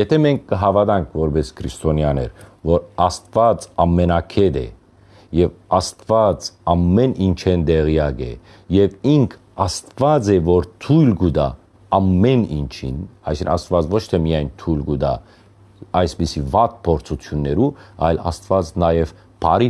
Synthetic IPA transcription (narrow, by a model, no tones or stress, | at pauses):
jɛt̪ʰɛmɛŋkʰɡəɦɑvɑd̪ɑŋkʰvɔɾbɛskʰɾist̪ɔnjɑnɛ̰ɾvɔɾɑst̪vɑt͡sɑmːɛnɑkʰɛd̪ɛ̰ | jɛvɑst̪vɑt͡sɑmːɛnint͡ʃʰɛnd̪ɛʁijɑɡɛ̰ | jɛviŋkʰ | ɑst̪vɑd͡zɛvɔɾt̪ʰujlɡud̪ɑː | mːɛnḭnt͡ʃʰḭnɑ̰jsḭnɑst̪vɑt͡svɔt͡ʃʰt̪ʰɛmijɑjnt̪ʰujlɡud̪ɑ | ɑjsbisivɑt̪̚pʰɔɾt͡sʰut͡sʰjunːɛɾuɑ̰jlɑ̰st̪vɑt͡snɑjɛv | pʰɑɾi